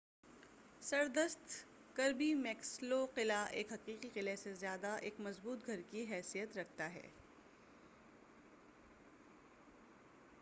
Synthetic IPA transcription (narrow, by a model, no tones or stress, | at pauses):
sɐɾd̪əst̪ | kɐɾbimɛːksloqɪlaʔeːkɦɐqiːqiqɪlesezjaːd̪aʔeːkmɐzbuːt̪ɡʱɐɾkiɦɛːsijət̪ɾɐkʰt̪aɦɛ̰ː